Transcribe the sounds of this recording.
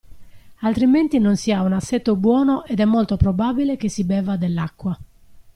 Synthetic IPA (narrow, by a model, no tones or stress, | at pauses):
alt̪ɾiment̪inonsiaunasːɛt̪ːobwɔːnoʔɛd̪ɛmːolt̪opɾɔbabilek̟esibɛːvad̪elːakːwa